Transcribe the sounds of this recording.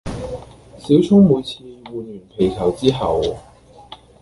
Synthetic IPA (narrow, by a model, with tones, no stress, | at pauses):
si˨˥wt͡sʰʊ˥ŋmuː˨˧jt͡sʰiː˧muː˨˧nyː˨˩npʰe˨˩jkʰɐ˨˩wt͡siː˥ɦɐ˨w